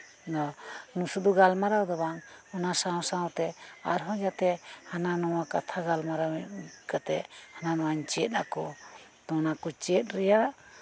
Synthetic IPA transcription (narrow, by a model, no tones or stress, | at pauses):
d̪ɔnusud̪ɔɡalmaɾawd̪ɔbaŋɔnasãwsãwt̪ɛa̰ɾɦɔ̃d͡ʒat̪ɛhananɔwakat̪ʰaɡalmaɾawkat̪ɛʔhananɔwaɲt͡ʃɛt̪̚nakɔ | t̪ɔnakɔt͡ʃɛt̪̚ɾɛjaʔ